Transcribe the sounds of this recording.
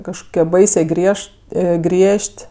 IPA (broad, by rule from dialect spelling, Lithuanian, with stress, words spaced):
kɐʃˈkoːkʲiɛ ˈbɐɪsʲeː ˈɡrʲiɛʃʲtʲ ˈɡrʲiɛʃʲtʲ